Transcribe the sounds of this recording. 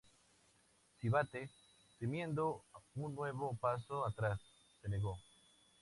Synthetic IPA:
siβat̪e | t̪emjẽnd̪ouŋnweβopas̬oat̪ɾasː | eneɣo

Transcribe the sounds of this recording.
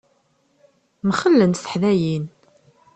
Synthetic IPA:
mχəlːənsə̥ħðæjin

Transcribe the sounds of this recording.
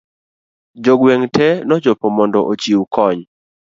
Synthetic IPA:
d͡ʒoɡweŋtɛnɔd͡ʒɔpɔmɔndɔʔot͡ʃiwkɔɲ

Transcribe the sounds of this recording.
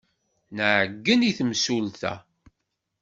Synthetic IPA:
nəʕəɡːəniθmsulθæ̰

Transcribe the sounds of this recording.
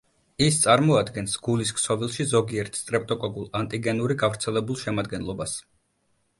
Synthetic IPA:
ist̪sʼaɾmɔad̪ɡɛnsɡ̥ulisksɔvilˠʃizɔɡiɛɾt̪ʰst̪ʼɾɛp̚ʼt̪ʼɔkʼɔɡulˠant̪ʼiɡɛnuɾiɡavɾt̪sʰɛlɛbulˠʃɛmad̪ɡɛnlˠɔbas

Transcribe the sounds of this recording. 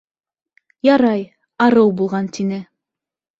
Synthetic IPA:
jɑɾɑj | ɑɾɤwbulˠʁɑnt̪inɘ

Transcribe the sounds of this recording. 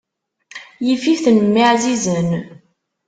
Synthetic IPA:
jififθənəmːiʕzizən

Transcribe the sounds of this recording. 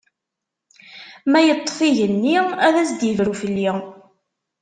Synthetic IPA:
mæjət̪ˤːfiʝənːiæðæsd̪jəvɾufəlːi

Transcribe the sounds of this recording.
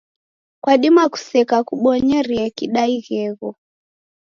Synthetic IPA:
kwaɗimaku̥sɛkakuɓɔɲɛɾiɛkiɗaiɣɛɣɔ

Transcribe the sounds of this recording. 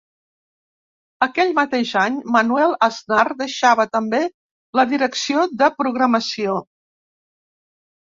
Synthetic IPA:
əkɛʎmət̪eʒaɲmənwɛlˠəznard̪əʃaβət̪əmbe | ləðiɾəksioðəpɾuɣɾəməsio

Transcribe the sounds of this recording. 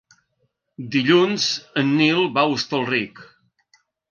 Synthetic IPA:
d̪iʎunzənːilˠβaust̪əlˠrik

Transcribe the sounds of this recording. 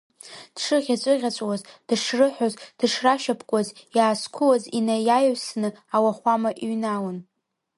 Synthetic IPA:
d̥ʂɨʁʲat͡ʃʷʼɨʁʲat͡ʃʷʼwazd̥ɨʂrɨħʷᶣozd̥ɨʂraʃapʰkʷʼazjaːskʷʰʊwazinajajʕsnɨawaχʷamaʔiɥnawan

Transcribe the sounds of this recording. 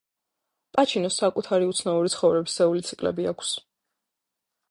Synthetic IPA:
pʼat͡ʃʰinɔsːakʼut̪ʰaɾiut̪sʰnauɾit̪sʰχɔvɾɛbisɛulit̪sʰi̥kʼlɛ̰biakʰs

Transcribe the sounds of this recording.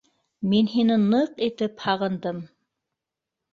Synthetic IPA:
minɦinɘnɤqit̪ɘphɑʁɤ̆nd̪ɤm

